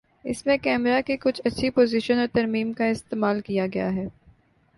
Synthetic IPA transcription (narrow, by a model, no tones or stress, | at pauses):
ɪ̰smẽkɛːmɾakekʊt͡ʃʰɐtːʃʰipoːzɪʃənɔːɾt̪ɐɾmiːmkaɪst̪eːmaːlkijaɡɐja̰ɦɛː